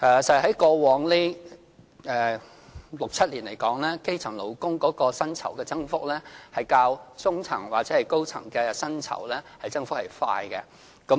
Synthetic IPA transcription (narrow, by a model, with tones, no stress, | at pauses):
ɛː˨˩sɐ˨˩ɦɐ˨˥jkɔː˧wɔː˨˧ŋle˥ | ɛː˨˧ | lʊ˨k̚t͡sʰɐ˥t̚liː˨˩nle˨˩jkɔː˨˥ŋlɛː˥ke˥jt͡sʰɐ˨˩ŋlo˨˩wkʊ˥ŋkɔː˨˥kɔː˧sɐ˥nt͡sʰɐ̰˨˩wkɛː˧t͡sɐ˥ŋfʊ˥k̚lɛː˥hɐ˨jkaː˧wt͡sʊ˥ŋt͡sʰɐ̰˨˩ŋwaː˨k̚t͡sɛː˨˥hɐ˨jko˥wt͡sʰɐ̰˨˩ŋkɛː˧sɐ˥nt͡sʰɐ̰˨˩wlɛː˥hɐ˨jt͡sɐ˥ŋfʊ˥k̚hɐ˨˩jfa̰ː˧jkɛ˧ | kɐ˨˥